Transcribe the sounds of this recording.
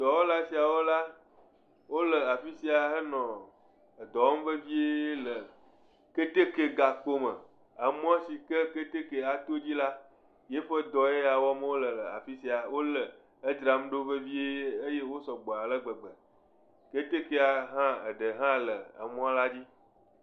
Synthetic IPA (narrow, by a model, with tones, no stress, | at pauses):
d̪̥ɔ˨wo˦la˦si˨a˨wo˦la˦ | wo˦lə˨a˨fi˦si˦a˨ɦə˦nɔ̃˨ | ə˨d̪ɔ˨wɔ˦m˦və˦vi˦e˦lə˨ | ke˦t̪e˦ke˦˨ɡa˨k͡po˦mə˨ | a˨m˦ɔ̃˦si˨kə˦ke˦t̪e˦ke˨a˨t̪o˦d͡ʑi˦la˦ | je˦ɸə˦d̪ɔ˨e˦a˨wɔ˦mə˦wo˦lə˨lə˨a̰˨fi˦si˦a˨wo˦lə˨ | ə˦d̪ɾa˨m˦ɖo˦və˦vi˦e˦e˦je˦wo˦sɔ˨ɡ͡bɔ˨a˨lə˦ɡ͡bə˨ɡ͡bə˨ | ke˦t̪e˦ke˦a˨ɦã˦ə̰˨ɖə˨ɦã˦lə˨ə̰˨m̃˦a˦la˦d͡ʑi˦